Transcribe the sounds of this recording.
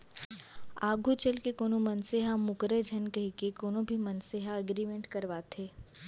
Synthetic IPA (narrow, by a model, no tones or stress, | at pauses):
aːɡʱut͡ʃəlkekoːnomɐnseɦamʊkɾed͡ʒʱɐnkɐɦikekoːnõbʱimɐnseːɦaɐɡɾimẽɳʈkɐɾʋaːt̪ʰeː